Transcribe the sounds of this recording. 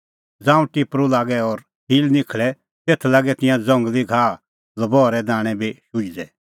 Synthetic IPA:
d͡zãːũʈɪpɾulaːɡɛɔɾ | hiːlnɪkʰɭɛ | t̪eːt̪ʰlaːɡɛt̪ɪ̃jãd͡zɐ̃ŋɡliɡʱaː | lɐbɔːɾɛd̪aːɽ̃ɛbʱiʃʊidɛ

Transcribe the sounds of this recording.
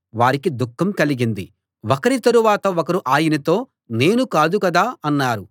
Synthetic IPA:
ʋaːɾikid̪ukːɐmkɐliɡind̪i | okɐɾit̪ɐɾuʋaːt̪ɐokɐɾuʔaːjinɐt̪o̞ː | ne̞ːnukaːd̪ukɐd̪aːɐnːaːɾu

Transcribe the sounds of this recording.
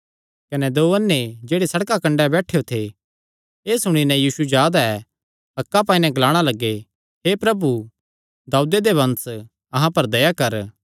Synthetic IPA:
kɐnɛd̪oːɐnːed͡ʒeːɽesɐɽkakɐ̃ɳɖɛbɛːʈʰejot̪ʰe | eːsʊɽ̃inɛ̃jiːsud͡ʒjaːd̪aɛ | ɐkːap̬aːĩnɛ̃ɡlaːɽ̃alɐɡːe | ɦepɾɐbu | d̪aːud̪ed̪eʋɐ̃ns | ɐɦãpɐɾd̪ɐjakɐɾ

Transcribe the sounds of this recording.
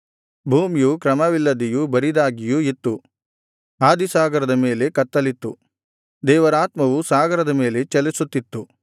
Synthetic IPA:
bʱuːmijukɾɐmɐʋilːɐd̪ijubɐɾid̪aːɡijuit̪ːu | aːd̪isaːɡɐɾɐd̪ɐme̞ːle̞kɐt̪ːɐlit̪ːu | d̪ɛːʋɐɾaːt̪mɐʋusaːɡɐɾɐd̪ɐme̞ːle̞t͡ʃɛlisut̪ːit̪ːu

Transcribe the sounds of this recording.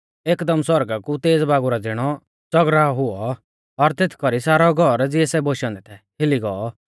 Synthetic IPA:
eːkd̪əmswɔɾɡakut̪eːd͡zbaːɡuɾad͡zɪɽ̃ɔ | t͡sɔɡɾaɦʊɔ | ɔɾt̪et̪ʰkɔɾisaːɾɔɡʱɔɾd͡zɪɛsɛboʃɔ̃nd̪ɛt̪ʰɛhɪliɡɔɔ

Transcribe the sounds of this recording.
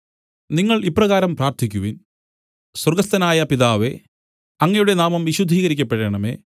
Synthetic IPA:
niŋːɐɭipːrɐɣaːɾɐmpraːrt̪ʰikʲːuʋin | swɐrɡɐst̪ɐnaːjɐpiðaːʋe̞ | ɐŋːɐjuɽe̞naːmɐmʋiɕud̪ʱiːɣɐɾikʲːɐpːeɽeɳɐmeː

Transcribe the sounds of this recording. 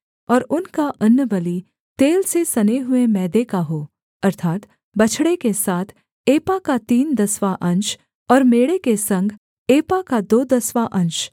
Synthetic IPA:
ɔːɾʊnkaʔɐnjəbɐli | t̪eːlsesɐneɦʊemɛːd̪ekaɦoː | ɐɾt̪ʰaːt̪ | bɐt͡ʃʰɽekesaːt̪ʰ | eːpakat̪iːnd̪ɐswaʔɐ̃nt͡ʃ | ɔːɾmeːɽekesɐ̃ŋɡ | eːpakad̪oːd̪ɐswaʔɐ̃nʃ

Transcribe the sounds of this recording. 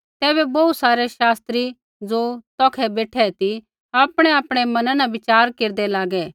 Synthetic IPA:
t̪ɛːbɛbɐːusaːɾɛʃaːst̪ɾi | d͡zoːt̪ɔːkʰɛbeːʈʰɛt̪i | aːpɽ̃ɛaːpɽ̃ɛmɐnãnãʋɪt͡ʃaːɾkeːɾd̪ɛlaːɡɛː

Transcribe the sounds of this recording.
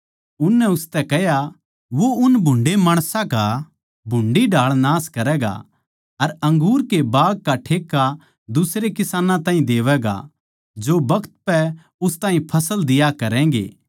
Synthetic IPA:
ʊnːɛʊst̪ɛkɛɦja | ʋoʊnbʱʊ̃ɳɖemaːɽ̃sãka | bʱʊ̃ɳɖiɖʱaːɭnaːskɐɾɛːɡa̰ | ɐɾɐ̃ŋɡuːɾkebaːɡ̚kaʈʰeːkːa | d̪ʊsɾekɪsaːnãt̪ãːɦĩd̪eːʋɛːɡa̰ | d͡ʒobɐkʰt̪̚pɛ | ʊst̪aːɦĩpʰɐsəld̪ɪjakɐɾɛ̃ːɡḛː

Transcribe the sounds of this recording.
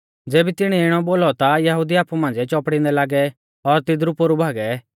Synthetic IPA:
d͡zeːbit̪ɪɽ̃iɪɽ̃ɔboːlɔt̪ajɐɦud̪iaːpumãːn̆d͡zɛt͡ʃɔːpɽɪ̃nd̪ɛlaːɡɛ | ɔɾt̪ɪd̪ɾupoɾubʱaːɡɛ

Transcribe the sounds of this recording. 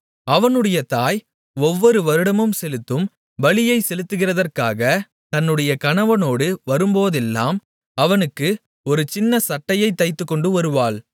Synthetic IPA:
ɐʋɐnɯɽɐjɐt̪aːj | ɔʋːɔɾɯʋɐɾɯɽɐmɯmsɛlɯt̪ːɯm | ʋɐɭɪjɐɪsɛlɯt̪ːɯɣɪrɐðɐrkaːɣɐ | t̪ɐnːɯɽɐjɐkɐɳɐʋɐnoːɽɯʋɐɾɯmboːðɛlːa̰ːm | ɐʋɐnɯkːɯ | ɔɾɯt͡ʃɪnːɐsɐʈːɐjɐɪt̪ːɐɪt̪ːɯkːɔɳɖɯʋɐɾɯʋaːɭ

